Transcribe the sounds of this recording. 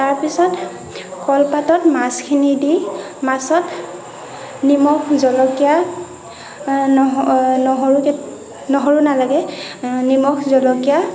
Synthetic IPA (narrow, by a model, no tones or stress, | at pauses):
taɹpisɔt | kʰɔlpatɔtmaskʰinidi | masɔt | nimɔkzɔlɔkija | nɔɦɔɹukɛ | nɔɦɔɹunalaɡɛnimɔxʰzɔlɔkija